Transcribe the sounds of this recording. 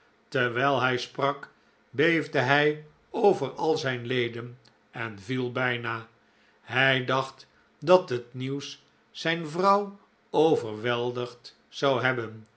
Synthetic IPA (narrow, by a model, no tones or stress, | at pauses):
tɛɹʋɛːlˠɦɛjsprɑk | bejvdəɦɛj | owvərɑlˠzɛjnlejdən | ɛnvilˠbɛjnaː | ɦɛjdɑχt | dɑtɦətniwsː | ɛjnvrɑw | owvərʋɛlˠdəχt | sɑwɦɛbən